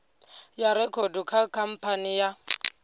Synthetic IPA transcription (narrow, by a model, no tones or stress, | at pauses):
jaɾɪkʰodukʰakʰam̩pʰanɪja